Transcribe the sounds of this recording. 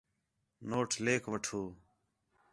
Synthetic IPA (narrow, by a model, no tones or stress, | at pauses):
noːʈʰleːkʰʋəʈʰoː